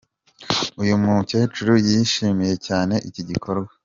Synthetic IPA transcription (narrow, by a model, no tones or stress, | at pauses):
ujumuce̞ːt͡ʃuɾujiʃiːmije̞caːne̞ʔiciɟikʰo̞ɾɡwa